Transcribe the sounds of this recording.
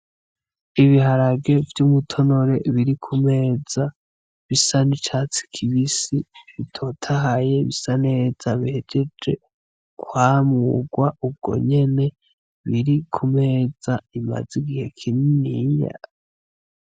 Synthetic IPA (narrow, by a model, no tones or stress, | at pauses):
iβiɦaɾaɡe̞vjumutʰo̞no̞ɾe̞βiɾikʰume̞ːz̥a | βisanit͡ʃat͡si̥kʰiβisiβitʰo̞tʰaɦaje̞βisane̞ːz̥aβihed͡ʒed͡ʒe̞̰ | kwaːmuɡwaub̚ɡ̥o̞̰ɲe̞ne̞ | βiɾikʰume̞ːz̥aima̰z̥iɡihe̞kʰininija̰